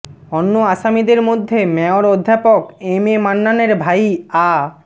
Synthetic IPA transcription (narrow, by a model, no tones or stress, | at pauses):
ɔnːoaʃamid̪eɾmod̪ʱːemɛoɾod̪ʱːapokememanːaneɾbʱaja